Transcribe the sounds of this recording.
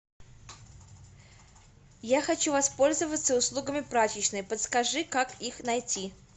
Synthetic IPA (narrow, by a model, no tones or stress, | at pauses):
jaxɐt͡ɕuvɐspo̞lʲzəvət̪səʊslˠuɡəmʲɪpɾat͡ɕɪt͡ɕnɨpət̪skɐʐɨkakixnɐjtʲi